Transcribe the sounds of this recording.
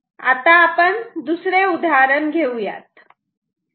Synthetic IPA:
a̰t̪aːpəɳd̪usɾeud̪ʱaːɾənɡʱeuja̰ːt̪

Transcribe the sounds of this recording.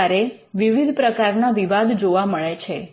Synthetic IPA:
aɾeʋiʋid̪ʱpɾəkaɾnaʋiʋad̪d͡ʒoʋaməɭet͡ʃʰe

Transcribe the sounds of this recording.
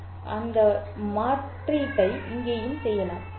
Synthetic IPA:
ʔɐnd̪ɐ | maːʈrɪkːɐɪɪŋɡeːjɯmsɛjːɐlaːm

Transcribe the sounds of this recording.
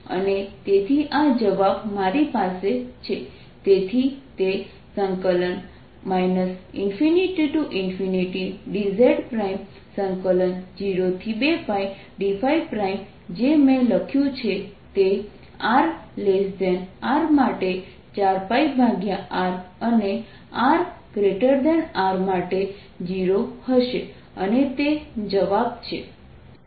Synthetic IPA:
ə̰net̪et̪ʰiʔad͡ʒəʋabmaɾipaset͡ʃʰe | t̪et̪ʰit̪e | səŋkələn | majnəsinfiniʈiʈuʔɪnfiniʈiɖizeɾɖpɾaim | səŋkələnd͡ʒiɾot̪ʰibepaj | ɖifʰaipɾaim | d͡ʒemẽləkʰjũt͡ʃʰet̪e | aɾlesd̪ɛnaɾmaʈe | t͡ʃaɾpaibʱaɡjaaɾəne | aɾɡɾeʈəɾd̪ɛnaɾmaʈe | d͡ʒiɾohəʃe | ənet̪ed͡ʒəʋab̚t͡ʃʰḛ

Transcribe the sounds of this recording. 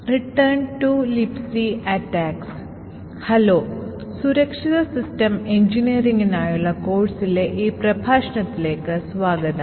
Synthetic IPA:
riʈːɐrɳʈulipsiɐʈːaːks | hɐlo̞ː | suɾɐkʂiðɐsistɐmeɲd͡ʒiniɐɾiŋɡinaːjuɭːɐko̞ːɖsileʔiːprɐbʱaːʂɐɳɐt̪ːile̞ːkːɨsʋaːɡɐd̪ɐ

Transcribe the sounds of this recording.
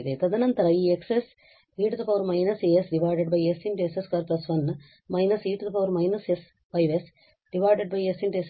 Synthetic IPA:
d̪et̪ɐd̪ɐnɐnt̪ɐɾɐiːekses | iːʈd̪ɐpɐʋɾmɐjnɐseːesɖiʋaːɖeɖ̚bɐjesiɳʈueseskaːɾplɐsʋɐn | mɐjnɐsiːʈd̪ɐpɐʋɐɾmɐjnɐses | pɐjʋes | ɖiʋaːɖeɖ̚bɐjesiɳʈues

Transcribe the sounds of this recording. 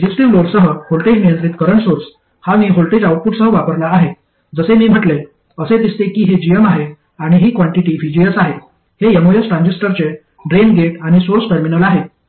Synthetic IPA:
d͡ʑisʈiʋloɾsəɦəholʈed͡ʑnijənt̪ɾit̪kəɾəɳsoɾs | hamiːɦolʈed͡ʑawʈ̚puʈsəɦəʋapəɾlaːɦe | d͡zəsemiːm̤əʈle | əset̪ist̪ekiːɦed͡ʑijəmaɦe | aɽ̃iɦiːkʋaɳʈiʈiːʋid͡ʑijəsaɦe | hejemojesʈɾãɲd͡ʑesʈəɾt͡ɕe | ɖɾenɡeʈaɽ̃isoɾsʈəɾminəlaɦe

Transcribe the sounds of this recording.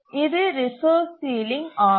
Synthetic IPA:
ɪðɯɾɪsoːsːiːlɪŋɡaː

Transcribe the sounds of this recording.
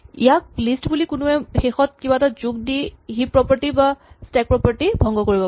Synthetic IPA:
ijak̚listbulikʊnʊɛxexɔt̚kibatazuk̚diɦipːɹɔpaɹtibastɛk̚pɹɔpaɹtibʱɔŋɡɔkoɹibɔ

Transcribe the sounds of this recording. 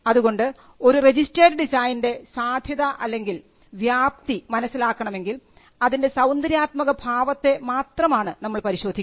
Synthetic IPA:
ɐðuɣo̞ɳɖɨ | o̞ɾure̞d͡ʑisʈrɐːɖɨɖisaːjnde̞saːd̪ʱjɐðɐʔɐlːe̞ŋɡil | ʋjaːp̚t̪imɐnɐsːilaːkːɐɳɐme̞ŋɡil | ɐðinde̞sɐwnd̪ɐɾjaːt̪mɐɣɐbʱaːʋɐt̪ːe̞maːt̪rɐmaːɳɨnɐmːɐɭpɐɾiɕo̞ːd̪ʱikː

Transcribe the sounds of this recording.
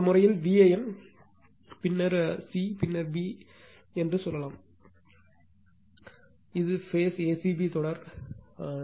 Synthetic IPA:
mʊrɐjɪlʋiːeɛn | pɪnːɐɾsipɪnːɐɾʋi | ɛndrɯsɔlːɐlaːm | ɪðɯfeːseːsibit̪ɔɽɐɾ

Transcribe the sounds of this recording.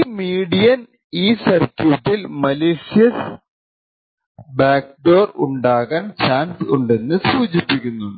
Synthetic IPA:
miːɽijɐn | iːsɐrkjuʈːilmɐleːʂijɐs | baːk̚ɖo̞ːruɳɖaːɣaːnt͡ɕaːnsuɳɖe̞nːɨsuːd͡ʑipːikʲːunːuɨ

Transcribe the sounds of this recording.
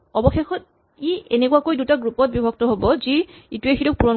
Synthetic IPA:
ɔbɔxexɔt̚ | ienekuakojdutaɡɹupɔt̚bibʱɔɡ̚tɔɦobɔziituexiɾɔk̚puɹɔn

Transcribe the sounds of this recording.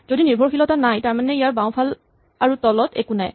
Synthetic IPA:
z̥odiniɹbʱɔɹkxilɔtanajtaɹmanɛijaɹbaw̃pʰal | aɹutɔlɔtɛ̰kuna̰j

